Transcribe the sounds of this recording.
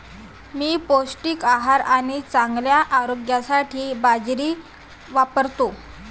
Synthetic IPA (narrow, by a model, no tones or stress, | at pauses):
miːposʈiːkaɦaɾaɽ̃it͡saŋɡljaʔaɾoɡjasaʈʰiːbad͡zɾiː | ʋapəɾt̪o